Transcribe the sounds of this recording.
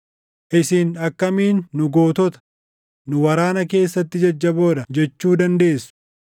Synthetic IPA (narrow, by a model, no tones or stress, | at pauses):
ʔɪsiːnɐkːɐmiːnːʊɡo̞ːt̪ɔt̪ɐ̥ | nʊwɐɾaːnɐke̞ːsːɐt̪ːɪd͡ʒɐd͡ʒːɐbo̞ːᶑ̪ɐd͡ʒɛt͡ʃːuːd̪ɐnd̪e̞ːsːʊ̥